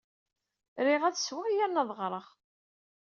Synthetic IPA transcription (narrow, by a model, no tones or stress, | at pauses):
ɾiʁæðswəʁijæɾnɑðˤʁɾˤəʁ